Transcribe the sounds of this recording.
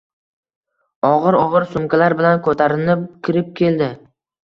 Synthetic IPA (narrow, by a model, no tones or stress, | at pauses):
ɒʁɨɾɒʁɨɾsʊmkʰʲalaɾbɪlankʰɵt̪ʰaɾɪnɪp̚kʲʰɪɾɪp̚kʲʰe̞ld̪ɪ